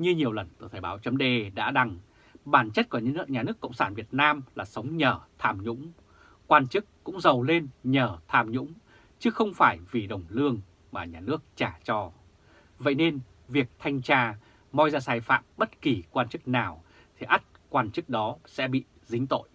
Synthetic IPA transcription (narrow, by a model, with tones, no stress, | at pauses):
ɲɨ˧ɲi˨˩əwlə˨˩nt̪ɨ˧˨˩t̪ʰəː˨˩ɓaː˨˦wt͡ɕə˨˦mɗe˧ɗa̰ː˧˥ɗa˨˩ŋ | ɓaː˧˩nt͡ɕə˦˥t̚ku˧˩˧ɲaː˨˩nɨ˦˥əkːə̰˧˨wŋ͡msaː˧˩nvi˨˩ət̚naː˧mlaː˨˩sə˨˦wŋ͡mɲəː˨˩t̪ʰaː˧˩mɲʊ̰˧˥ŋ͡m | kwaː˧nt͡ɕɨ˦˥kːʊ̰˧˥ŋ͡mzə˨˩wle˧nɲəː˧˩t̪ʰaː˧˩mɲʊ̰˧˥ŋ͡m | t͡ɕɨ˨˦xə˧wŋ͡mfaː˧˩jvi˨˩ɗə˨˩wŋ͡mlɨ˧əŋ | maː˨˩ɲaː˨˩nɨ˦˥ək̚t͡ɕaː˧˩t͡ɕɔ˧ | və̰˧˨jne˧n | vi˨˩ək̚t̪ʰa˧jŋ̟t͡ɕaː˧˩ | mɔ˧jzaː˧saː˧˩jfa̰ː˧˨mɓə˦˥t̚ki˨˩kwaː˧nt͡ɕɨ˦˥k̚naː˨˩w | t̪ʰi˨˩ʔa˦˥t̚kwaː˧nt͡ɕɨ˦˥k̚ɗɔ˨˦sɛ̰˧˥ɓḭ˧˨ | zï˨˦ŋ̟t̪o̰˧˨jʔ